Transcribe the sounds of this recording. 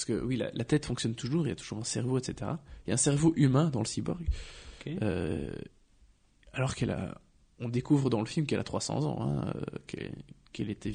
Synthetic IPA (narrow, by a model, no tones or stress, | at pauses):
pasə̥kə̰wila̰lʔat̪ɛt̪fɔ̃ŋksjɔnt̪uʒuʁeiljat̪u̥ʒuʁɛ̃sɛʁvoet̪set̪eʁailjaɛ̃sɛʁvoʔymɛ̃d̪ɑ̃ləsibɔʁɡ | ø̰ | alɔʁkɛla̰ | ɔ̃d̪ekuvʁəd̪ɑ̃ləfilmkɛlʔat̪χwasɑ̰̃zɑ̰̃ɛ̰̃ø̰kʰɛ̰kɛlet̪ʰɛ